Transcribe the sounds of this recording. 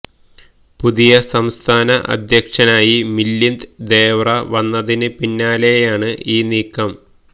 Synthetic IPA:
puðijɐsɐmst̪ʰaːnɐʔɐ̰d̪ʱjɐkʂɐnaːjimilːind̪d̪eːʋrɐʋɐnːɐðinɨpinːaːle̞jaːɳɨʔiːniːkːɐm

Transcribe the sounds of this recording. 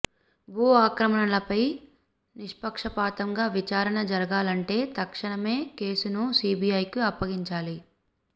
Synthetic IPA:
bʱuːaːkɾɐmɐɳɐlɐpɐj | niʂpɐkʂɐpaːt̪ɐŋɡaːʋit͡ʃaːɾɐɳɐd͡ʒɐɾɐɡaːlɐɳʈe̞ːt̪ɐkʂɐɳɐme̞ːke̞ːsunusiːbiɐjkiɐpːɐɡiɲt͡ʃaːli

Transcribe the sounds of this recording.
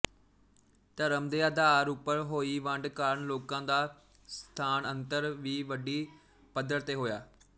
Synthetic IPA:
t̪əɾəmd̪eːəːd̪aːɾupːəɾɦoːiːʋə̃ɳɖkaːɾənloːkãːd̪aː | st̪ʰaːnə̃nt̪əɾʋiːʋəɖiː | pəd̪əɾt̪eːɦoːjaː

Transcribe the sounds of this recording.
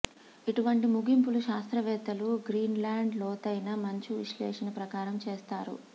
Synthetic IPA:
iʈuʋɐɳʈimuɡimpuluʃaːst̪ɾɐʋɛːt̪ɐluɡɾiːnlaːɳɖlɔːt̪ɐjnɐmɐɲt͡ʃuʋiʂlɛːʂɐnɐpɾɐkaːɾɐmt͡ʃeːst̪aːɾṵ

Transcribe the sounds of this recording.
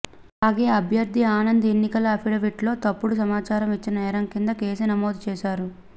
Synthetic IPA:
aːɡe̞ːɐbʱjɐɾd̪ʱiaːnɐnd̪ɐenːikɐlɐɐpʰiɽɐʋiʈlo̞ːt̪ɐpːuɽus̬ɐmaːt͡ʃaːɾɐmit͡ʃːinɐnɛːɾɐmkind̪ɐkeːsinɐmo̞ːd̪ut͡ʃɛːʃaːɾu

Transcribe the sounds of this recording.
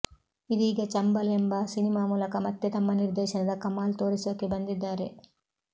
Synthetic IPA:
id̪iːɡɐt͡ʃɐmbɐlembɐsinimaːmuːlɐkɐmɐt̪ːet̪ɐmːɐniɾd̪ɛːʃɐnɐd̪ɐkɐmaːlt̪o̞ːɾisoːkebɐnd̪id̪ːaːɾe̞

